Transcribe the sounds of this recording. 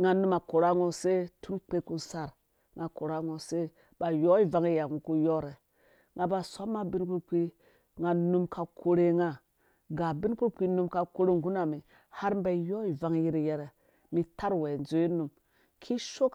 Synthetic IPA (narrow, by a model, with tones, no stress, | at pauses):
ŋa˨nu˦ma˨ko˨ɾa˦ŋo˦se˦tu˦nk͡pe˦ku˦sa˦ɾ | ŋa˨ko˨ɾa˦ŋo˨se˦ | ba˨jo˦i˦va˨˦ŋi˦ja˨ŋu˨ku˦jɔ˦ɾe˨ | ŋa˨ba˨sa˦ma˦bi˦nku˦k͡pi˦ | ŋa˨nu˦mkʰa˨kʰo˨ɾe˦ŋa˨ | ɡa˨bi˦nku˦k͡pi˦nu˦mka˨ko˦ɾe˦ŋ˨ɡu˦na˨mi˨ | ha˦ɾmba˦jo˦i˨va˨ŋ˦ji˦ɾi˨jɛ˦ɾe˨ | mi˨ta˦ɾwe˨n˨zo˦i˦nu˨m | kʰi˦ʃo˦k